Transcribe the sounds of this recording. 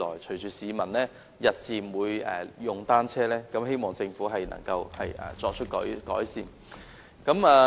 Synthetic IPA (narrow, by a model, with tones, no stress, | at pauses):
lɔ̰ː˨˩jt͡ʃʰɵ˨˩ɥt͡ʃyː˨˩siː˨˧mɐ˨˩nlɛː˥ | jɐ˨t̚t͡siː˨mwuː˨˧jɛ̰˨jʊ˨˩ŋt̪aː˥nt͡sʰɛː˥lɛː˥kɐ˨˥mɦe˥jmɔː˨ŋt͡sɪ˧ŋfuː˨˥ɦɐ˨jnɐ̰˨˩ŋkɐ˧whɐ˨jʔɐ̰ː˨t͡sɔː˧k̚t͡ʃʰɵ˥t̚kɔ̰ː˨˥jkɔ̰ː˨˥jsiː˨n | kɐ˨˥maː˧